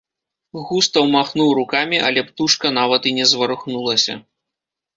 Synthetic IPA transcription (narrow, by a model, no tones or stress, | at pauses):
ɣust̪ɐwmaxnuwɾukamʲiʔɐ̰lʲɛpt̪uʂkɐn̪avɐt̪inʲɛzvɐɾuxnulˠɐsʲɐ̰